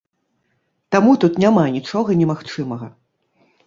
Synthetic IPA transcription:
t̪amut̪ut̪nʲamanʲit͡ʂɔɣɐnʲɛmaxt͡ʂɨmɐɣɐ

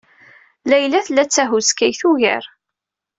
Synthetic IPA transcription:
læjlæθlæt͡sːæɦuskæjθuʝə̰ɾ

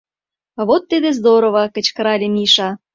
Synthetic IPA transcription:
βot̪ːid̪ezd̪oɾoβɑkə̆t͡ɕkəɾɑlʲemʲiʃɑ

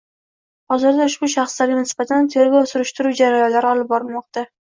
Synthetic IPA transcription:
hɒzɪɾd̪aʊʃbʊʃɑχslaɾɡʲanɪsbat̪ʰant̪ʰe̞ɾɡwsʊɾɪʃt̪ɪɾuwd͡ʒaɾajɒnlaɾɪɒlˠɪp̚bɒɾɪlmɒqt̪a

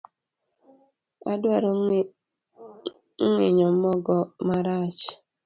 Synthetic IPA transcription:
adwaɾɔ | ŋ̩ŋɪɲɔmɔɡɔmaɾat͡ʃ

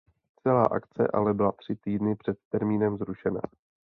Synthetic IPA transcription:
t͡sɛla̰ːʔa̰kt͡sɛ̰ʔa̰lɛbɪlat̪r̝̥ɪt̪iːdnɪpr̥ɛt̪ːɛɾmiːnɛmzɾuʃɛna̰

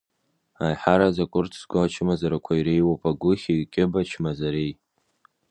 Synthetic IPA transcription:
ajħaɾazakʷʼʊrtʰsɡʷat͡ʃʰɨmazaɾakʷʰaiɾe̞jwopʼaɡʷʊχʲirkʲʼɪbat͡ʃʰmazaɾej

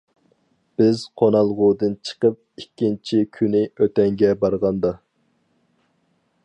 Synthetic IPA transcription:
b̥ɪzqʰonɑlˠʁʊd̪ɨnt͡ʃʰə̥qəp̚ikʲːint͡ʃʰikʲʰynɪøt̪ɛŋɡʲɛbɑɾʁɑnd̪ɑ

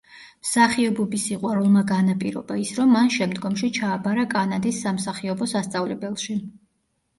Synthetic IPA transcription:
msaχiɔbɔbisiqʼwaɾulˠmaɡanapʼiɾɔ̰baisɾɔmːanʃɛmd̪ɡɔmʃit͡ʃʰaːbaɾakʼanad̪isːamsaχiɔbɔsast̪sʼavlɛbɛlˠʃi

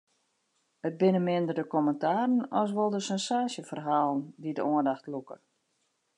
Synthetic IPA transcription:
ət̚bɪnəmɪndərdəkɔməntaːɾən̩ɔs̬ʋɔlˠdəsɛnsaːsjəfərɦaːlˠəndidəʔoəndaxtlukə̰

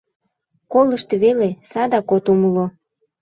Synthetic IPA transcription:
koləʃt̪eβelesɑd̪ɑkot̪uməlo

